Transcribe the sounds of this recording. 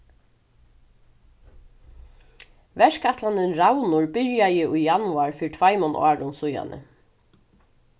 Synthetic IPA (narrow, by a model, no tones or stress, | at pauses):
vɛʂkʰat̪lanɪnɹawnʊɹbɪɹjajɪʔʊjjanʊaɹfiːɾt̪ʰv̥ajmɔna̰ːɹʊnsʊja̰nʔə̰